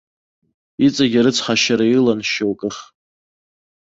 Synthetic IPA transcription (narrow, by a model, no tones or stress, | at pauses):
it͡sʼaɡʲaɾɨt͡sʰχaʃaɾailanʃowkʼɨχ